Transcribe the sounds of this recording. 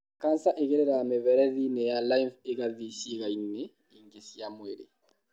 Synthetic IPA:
kansaʔekeɾɛɾamevɛɾɛðinɛjalajnfekaðisikainːɛ | iŋɡesijamwḛɾḛ

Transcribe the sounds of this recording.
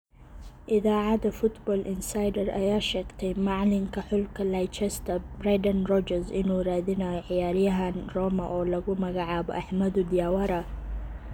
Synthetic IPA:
ʔɪðaːʕɑd̪ɐfʊt̪bɔːlʔɪnsajd̪ɐrɐ̰jaːʃɛːɡt̪ʰɛjmɑʕlɪŋkʰɐħʊlkʰɐlajt͡ʃɛst̪ʰɐbrɛjd̪ɐnrɔd͡ʒɐrsɪnuːraːðɪnaːjɔʕɪjaːɾɪjɐɦɐnrɔːmɐʔɔːlɐɣʊmɐɣɑʕaːβɔ̰ʔɐħmɐd̪ʊd̪ɪjaːwɐɾɐ

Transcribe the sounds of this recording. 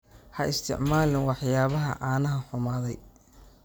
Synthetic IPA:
hɐʔɪst̪ʰɪ̰ʕmaːlɪnwɑħjaːβɐɦɐ̰ʕaːnɐɦɐħʊmaːðɛj

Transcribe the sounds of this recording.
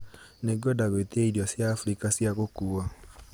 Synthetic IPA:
neɡɔdaɣeteeiɾjɔsjaːfɾikasjaɣokua

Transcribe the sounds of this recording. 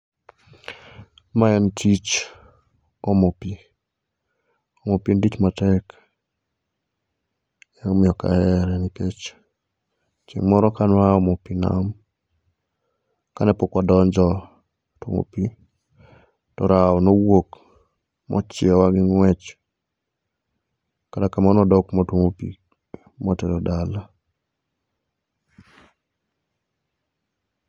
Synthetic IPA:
maɛntʰit͡ʃ | omopi | omopindit͡ʃmatɛk | jaomɪɔka̰ɛɾɛniket͡ʃ | t͡ʃḭŋmɔɾɔkanwaomopina̰m | kanɛpokɔdɔɲd͡ʒɔ | tumo̰pi | tɔɾaɔnowok | mʔɔ̰t͡ʃɪɛwaɡɪŋwɛt͡ʃ | katakamanɔdɔkmotomopḭ | mɔtɛɾɔdala

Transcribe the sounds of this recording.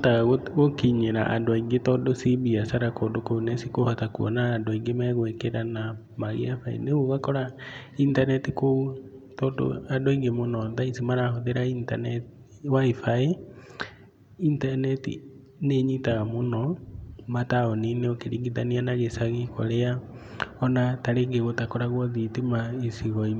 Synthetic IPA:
taɣaɣoɣokiɲeɾaʔa̰ndoaiŋɡetɔdosibiasaɾakɔndokounesikohɔtakuɔ̰naːndoaiŋɡemɛɣwekeɾana | maɣḭafaḛneɣoɣakɔɾa | intanɛtiko | tɔdo̰adoiŋɡemonɔðaisimaɾahoðeɾaintanɛt | waifae | intanɛtḭ | neɲitaɣamonɔmataɔnineokeɾiŋɡiðanianaɣesaɣikɔɾeaɔnataɾeŋɡeɣotakɔɾaɣwɔðitimaesiɣɔi

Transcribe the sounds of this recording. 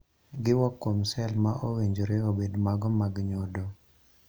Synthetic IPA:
ɡɪwɔkːomsɛlmaʔoweɲd͡ʒoɾeobedmaɡɔmaɡɲodo

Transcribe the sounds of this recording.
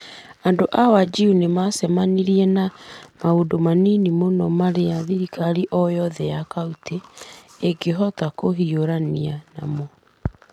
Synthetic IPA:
andoʔawad͡ʒiunemasɛmaniɾiɛnamaodomaninimonɔmaɾeaðiɾikaɾiʔɔjɔðɛjakautʰeː | ɡeɦɔtakoɦioɾaniana̰mo

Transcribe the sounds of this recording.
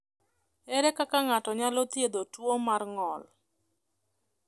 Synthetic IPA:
ɛɾɛkakaŋatɔɲalɔt̪jed̪otwomarŋɔl

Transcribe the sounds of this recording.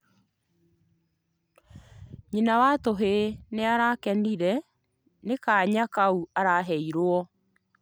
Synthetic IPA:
ɲinawatoɦeneaɾakɛniɾɛ | nekaːɲakauaɾaɦɛiɾwɔ

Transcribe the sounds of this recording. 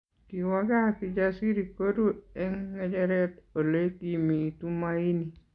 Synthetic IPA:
kiwaɡapid͡ʒasiɾikoduɛŋːɛd͡ʒɛɾɛt̪olekimitumaini

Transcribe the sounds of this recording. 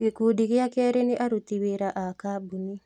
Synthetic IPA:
kekuːdiɣeakɛːɾeneʔaɾutiweɾaʔakabuni

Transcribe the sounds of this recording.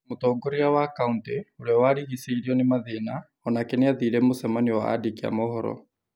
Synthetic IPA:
motɔːɡɔɾiawakaunteoɾeawaɾiɣiseiɾiɔnemaðena | ɔnakɛneaðiɾɛmosɛmaniwa̰a̰dikia̰mɔhɔɾɔ̰

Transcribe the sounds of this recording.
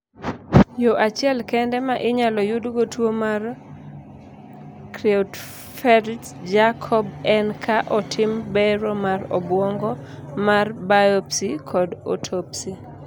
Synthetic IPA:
joʔat͡ʃɪɛlkɛndɛmaʔɪɲalɔjʊdɡotwomar | kɾɛut | fɛɾ | d͡ʒakʰɔbɛnkʰaʔɔtʰɪmbɛɾɔmarɔ̰bwɔŋɡɔmarbajɔpsikʰɔdo̰tʰopsi

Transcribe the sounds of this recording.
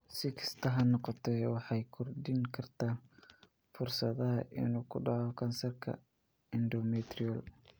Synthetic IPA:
sɪkʰɐ̥st̪ʰɐɦɐnɔqɔt̪ʰɛwɑħɑjkʰɔrɖɪŋkʰɐrt̪ʰaː | fʊrsɐðɐɦɐʔɪ̰nuːkʰʊɖɑʕɔkʰɐnsɐrkʰɐ̰ | ɪnɖɔmɛt̪rɪɔl

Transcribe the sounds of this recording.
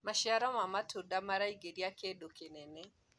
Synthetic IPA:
maʃiaɾɔmamatʰodamaɾaiɡeɾiakedokenɛnɛ

